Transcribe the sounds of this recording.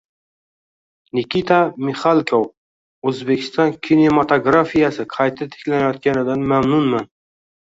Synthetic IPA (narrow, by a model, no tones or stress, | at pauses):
nɪkʲit̪ʰamiχalˠkʰow | ɵzbe̞kʲʰɪ̥st̪ɒnkʲʰinemat̪ʰoɡɾafijasɪqʰɑjt̪ʰat̪ʰe̥kʲlanajɒt̪̚kʲanɪd̪anmamnʊnman